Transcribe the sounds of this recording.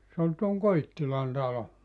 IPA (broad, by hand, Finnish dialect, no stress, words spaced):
se ol tuoŋ koitːilɑn tɑlo